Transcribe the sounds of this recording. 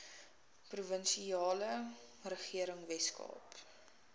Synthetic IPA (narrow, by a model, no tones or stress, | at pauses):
pruvənsiɑːlə | rəχiəɾəŋvɛskɑ̰ːp